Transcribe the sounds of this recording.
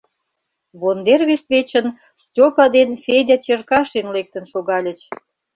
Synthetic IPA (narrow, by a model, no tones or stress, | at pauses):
βond̪erβesβet͡ɕən | stʲopɑd̪enfʲedʲɑt͡ɕerkɑʃenlek̚t̪ənʃoɣɑlʲə̆t͡ɕ